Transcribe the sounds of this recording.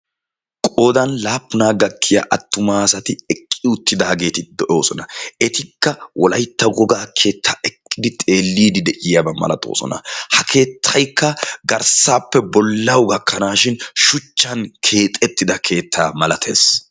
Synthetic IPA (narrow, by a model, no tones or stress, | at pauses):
kʼo̞ːd̪ɐnlaːpːʊnaːɡɐkʰːɪjɐ̰ʔɐt̪ːʊmaːsɐt̪ɪɛkʼːɪʊt̪ːɪd̪aːɡe̞ːt̪ɪd̪ɔʔo̞ːsɔnɐɛt̪ɪkːɐwʔɔlɐjt̪ːɐɡɔɡaːkʰe̞ːt̪ʰːaːɛkʼːɪd̪ɪt̪ʼe̞ːlːiːd̪ɪd̪ɛʔɪjabɐmɐ̰lɐ̰t̪ʼo̞̰ːsɔ̰nɐ̰hɐkʰe̞ːt̪ʰːɐjkːɐɡɐɾsaːpːɛbɔlːɐwɡɐkʰːɐnaːʃɪnʃʊt͡ʃːɐnkʰe̞ːt̪ʼɛt̪ːɪd̪ɐkʰe̞ːt̪ʰːaːmɐlɐt̪ʰe̞̰ːs